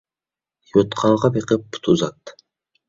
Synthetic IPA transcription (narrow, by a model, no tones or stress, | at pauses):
jot̪qʰɑːʁɑbiqɨpːt̪ʰuzɑt̪